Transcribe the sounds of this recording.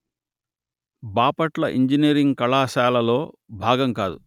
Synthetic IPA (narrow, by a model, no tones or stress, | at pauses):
baːpɐʈlɐʔiɲd͡ʒiniɐɾiŋɡkɐɭaːʃaːlɐlo̞ːbʱaːɡɐŋkaːd̪u